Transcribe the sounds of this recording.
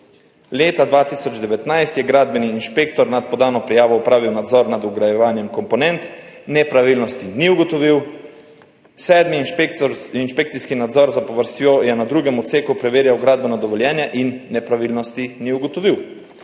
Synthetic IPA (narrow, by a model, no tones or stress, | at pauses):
leːt̪ad̪ʋaːt̪isɔd͡ʒd̪ɛʋɛt̪najst̪jɛɡɾaːd̪bɛniːnʃpek̚t̪ɔɾnat̪̚pɔd̪aːnɔpɾɛjaːʋɔupɾaːʋiwnad̪zɔɾnad̪uɡɾajɛʋaːnjɛmkɔmpɔnɛnt̪nɛpɾaʋilnɔst̪iniuɡɔt̪ɔʋiw | sɛːd̪mipinʃpek̚t̪siskinad̪zɔɾzapɔʋəɾst̪joːjɛnad̪ɾuːɡɛmɔt̪seːkupɾɛʋeːɾjawɡɾaːd̪bɛnɔd̪ɔʋɔljɛːnjɛʔinːɛpɾaʋiːlnɔst̪iniuɡɔt̪ɔʋiw